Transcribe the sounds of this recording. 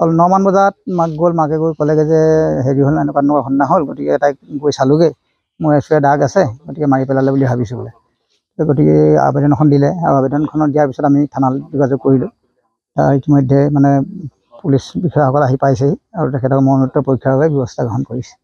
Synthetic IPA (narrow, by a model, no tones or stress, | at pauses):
ɔlnɔmanbɔzat̚makɡolmakɛɡojkɔlɛɡɛzɛɦeɹiɦolɛnɛkwanɔkakʰɔnːaɦolɡotikɛtajk̚ɡojsalʊɡɛ | mʊɹɛsujɛdaɡasɛɡotikɛmaɹipɛlalɛbulibʱabisɛbɔlɛ | kɛɡotikɛ̰a̰bɛdɔnɔkʰɔndilɛa̰abɛdɔnkʰɔnɔdijaɹpisɔtamitʰanaldɔɡazɔɡ̚koɹilʊ | ta̰ɹitimɔjdʱːɛmanɛ | pulisbikʰɔjaxɔkɔlaɦipajseiaɹutɛkʰɛtɔkmɔnutːɔpɔjkʰːjaɹɡɛbjɔbɔstʰaɡɔɦɔnkoɹisɛ̥